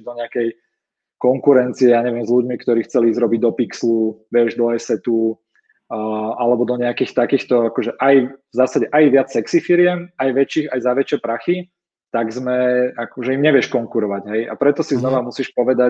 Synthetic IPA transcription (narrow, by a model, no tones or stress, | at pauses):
d̪ɔɲɛakɛj | kɔŋkuɾɛnt͡siɛjaːɲɛʋɪɛmzʎuɟmikt̪ɔɾiːxt͡sɛlizɾɔbiɟ̚d̪ɔpiksluʋɛʒd̪ɔɛsɛt̪u | ʔalɛbɔd̪ɔɲɛakiːxt̪akiːxt̪ɔakɔʒɛʔajvzaːsaɟɛʔajʋɪat͡ssɛksifiɾɪɛmajʋɛt͡ʃiːxajzaʋɛt͡ʃɪɛpɾaxi | t̪aɡzmɛakɔʒɛimɲɛʋɛʃkɔŋkuɾɔʋaɟɦɛjʔa̰pɾɛt̪ɔsiznɔʋamusiːʃpɔʋɛd̪a